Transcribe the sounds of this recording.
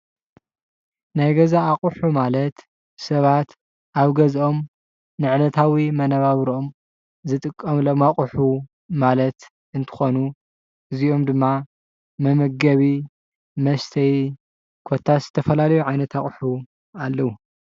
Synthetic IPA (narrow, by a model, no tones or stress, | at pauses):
najɡɐzaːχʼuħumalɐt̪ | sɐβat̪ | ʔaβɡɐzʔo̞m | nɨʕnɐt̪ʰawimɐnɐβaβɾo̞m | zɨt̪ʼɨkʼːɐmlomaχʼħu | malɐt̪ | ʔɨnt̪ʰɨ̥xo̞nu | ɨzio̞md̪ɨmːa | mɐmɐɡɐβi | mɐst̪ʰɐj | kʰot̪ʰːaz̥ɨt̪ʰɐfɐlalɐjuʕajnɐt̪ʰaχʼħu | alːɐwu